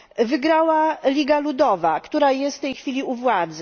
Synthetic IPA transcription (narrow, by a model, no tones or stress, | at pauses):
vɘɡɾawalʲiɡalud̪ɔvakt̪uɾajɛst̪t̪ːɛjxfʲilʲiuvwad̪zɛ